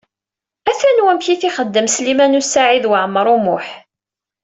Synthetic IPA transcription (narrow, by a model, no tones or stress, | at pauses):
æθænwæmçiθiχəd̪ːəmslimænusaʕiðwəʕəmːəɾˤumʊħ